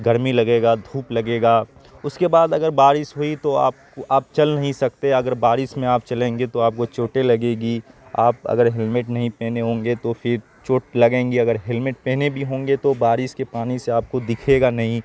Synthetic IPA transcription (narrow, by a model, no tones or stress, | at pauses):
ɡɐɾmilɐɡeːɡad̪ʱuːplɐɡeːɡaː | ʊskebaːd̪ɐɡəɾbaːɾɪsɦoit̪oa̰ːp̚ | aːp̚t͡ʃɐlnɐɦĩsɐk̚t̪eɐɡəɾbaːɾɪsmẽaːp̚t͡ʃɐlẽːŋɡet̪oaːp̚kot͡ʃoːʈelɐɡeːɡia̰ːpɐ̰ɡəɾɦɪlmɪʈnɐɦĩpɛːneɦõːŋɡet̪opʰɪɾ | t͡ʃoːʈlɐɡẽːŋɡiɐɡəɾɦɪlmɪʈ̚pɛ̃ːnebʱiɦõːŋɡet̪obaːɾɪskepaːniseaːp̚kod̪ɪkʰeːɡanɐɦĩ